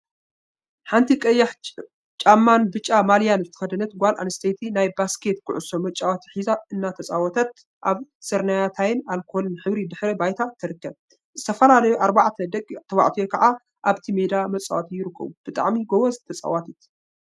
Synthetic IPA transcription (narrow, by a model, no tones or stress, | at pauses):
ħant̪ʰikʼɐjːaħ | t͡ʃʼamːanbɨt͡ʃʼːamaljanzɨt̪ɨ̥xɐd̪ɐnɐt̪ɡʷalʔa̰nst̪ʰet̪ʰinajbaskʰe̞t̪kʰɨʕʊsomɐt͡ʃʼawat̪ʰħizaɨnːat̪ʰɐt͡sʼawɔt̪ʰɐt̪̚ | ʔaβsɐɾnajat̪ʰajɪnalkʰolɨnħɨβɾid̪ɨħɾɐbajt̪ʰat̪ʰɨɾɨkːɐβ | z̥ɨt̪ʰɐfɐlalɐjoʔaɾbaʕt̪ʰɐd̪ɐkʼːt̪ʰɐwa̰ʕt̪ʰijokʰɐʕa | ʔaβt̪ʰime̞d̪amɐt͡sʼawat̪ʰijɪɾɨkːɐ̰βub̥ɨt̪ʼa̰ʕmiɡowɔzt̪ʰɐt͡sʼa̰wat̪ʰit̪